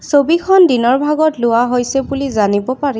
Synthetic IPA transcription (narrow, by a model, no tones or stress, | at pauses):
sobikʰɔndinɔɹbʱaɡɔtlʊaɦojsɛbulizanibɔpaɹi